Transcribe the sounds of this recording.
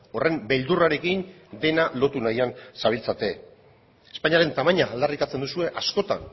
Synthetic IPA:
o̞re̞mbe̞ld̪uraɾe̞kin | d̪e̞nalo̞t̪unajansaβ̞ilt͡sat̪e̞ | espaɲiaɾe̞nt̪amaɲaːld̪arit̪at͡send̪usue̞ʔasko̞t̪a̰n

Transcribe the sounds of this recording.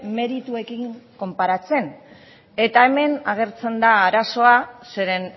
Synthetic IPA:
me̞ɾit̪ue̞kiŋko̞mpaɾat͡se̞n | e̞t̪aeme̞naɣ̞e̞ɾt͡se̞nd̪aːɾaso̞aseɾen

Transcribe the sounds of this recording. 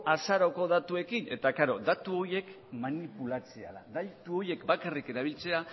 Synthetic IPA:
asaɾo̞ko̞ðat̪ue̞kine̞̰t̪akaɾo̞d̪at̪uo̞je̞k | manipulat͡seaðaðajt̪uo̞je̞kbakarike̞ɾaβ̞ilt͡se̞a

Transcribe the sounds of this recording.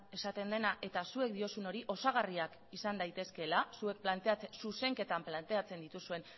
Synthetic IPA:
e̞sat̪e̞nd̪e̞naʔe̞t̪asue̞k̚d̪io̞suno̞ɾiʔo̞saɣ̞ariak | isand̪ajt̪e̞ske̞lasue̞k̚plant̪e̞at͡ssuse̞ŋke̞t̪amplant̪e̞at͡se̞nd̪it̪usue̞n

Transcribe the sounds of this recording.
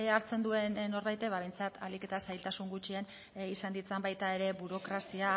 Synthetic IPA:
eaɾt͡se̞nd̪ue̞nːo̞ɾβajt̪e̞βaβe̞jnt͡sat̪ʰalike̞t̪asajlt̪asuŋɡut͡ʃien | isand̪it͡sambajt̪ae̞ɾe̞buɾo̞kɾasia

